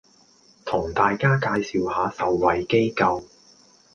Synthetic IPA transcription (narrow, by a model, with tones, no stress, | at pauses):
t̪ʰʊ˨˩ŋt̪aː˨jkaː˥kaː˧jsiː˨whaː˨˧sɐ˨wːɐ˨˩jke˥jkɐ˧w